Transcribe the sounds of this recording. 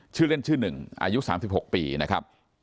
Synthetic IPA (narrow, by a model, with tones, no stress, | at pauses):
t͡ɕʰɯː˥˩le˥˩nt͡ɕʰɯː˥˩nɯ˨˩ŋʔa̰ː˧ju˦˥ʔsaː˩˦msi˨˩p̚ho˨˩k̚piː˧na˦˥kʰɾa̰˦˥p̚